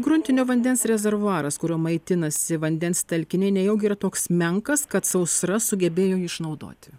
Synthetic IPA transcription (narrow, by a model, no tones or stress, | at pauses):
ɡɾʊnʲt̪ʲɪnʲoːʋɐnʲd̪ʲɛnsɾʲɛzʲɛɾʋʊɑːɾɐskʊɾʲoːmɐɪt̪ʲɪnɐsʲɪʋɐnʲd̪ʲɛnst̪ɐlʲkʲɪnʲɛɪnʲɛjɛʊɡʲiːɾɐt̪oːksmʲɛŋkɐskɐt̪sɐʊsɾɐsʊɡʲɛbʲeːjoːjiːɪʃnɐʊd̪o̰ːt̪ʲɪ